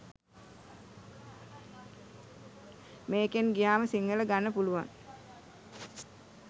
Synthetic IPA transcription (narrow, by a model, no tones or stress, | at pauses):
meːkenɡijaːməsiŋɡələɡanːəpuluʋa̰ŋ